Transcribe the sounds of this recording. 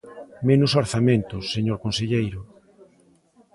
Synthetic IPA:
menʊsoɾθamẽnt̪ʊsːeɲoɾkõnseʎejɾʊ

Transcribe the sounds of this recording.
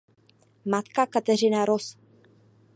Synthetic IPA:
mat̪kakat̪ɛrɪnaɾos

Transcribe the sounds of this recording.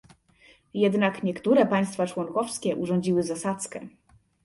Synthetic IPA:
jɛd̪nakɲɛkt̪uɾɛpaj̃st̪fat͡ʂwɔŋkɔfskʲɛʔuʐɔɲd͡ʑiwɘzasat̪skɛ

